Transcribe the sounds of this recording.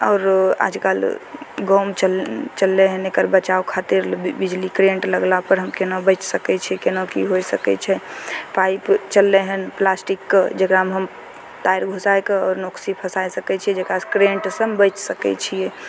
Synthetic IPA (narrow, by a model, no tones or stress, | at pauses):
ɔːɾa̰d͡ʒkalɡɔwmt͡ʃəlt͡ʃəlːeɦənekəɾbət͡ʃaokʰat̪iɾbid͡ʒlikɾeɳʈləɡlapəɾɦəmkenobət͡ʃsəkɛt͡ʃʰɛkenokiɦojsəkɛ̰t͡ʃʰɛpaipt͡ʃəlːɛɦənplasʈikːed͡ʒekɾamɦəm | t̪aiɾɡʱosajkeɔːɾnoksipʰəsajsəkɛt͡ʃʰiɛd͡ʒekɾakɾeɳʈsəmbət͡ʃsəkɛ̰t͡ʃʰijɛ